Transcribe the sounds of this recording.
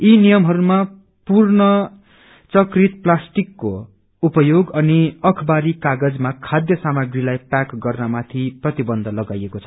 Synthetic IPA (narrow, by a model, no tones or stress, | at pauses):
inijʌmɦʌɾuma | purnʌ | t͡sʌkrit̪̚plasʈikːo̰ | upʌjoɡʌniʌkʰʌbaɾikaɡʌd͡zmakʰad̪jʌsamaɡrilajpakɡʌrnamat̪ʰiprʌt̪ibʌnd̪ʱʌlʌɡajekot͡sʰʌ̥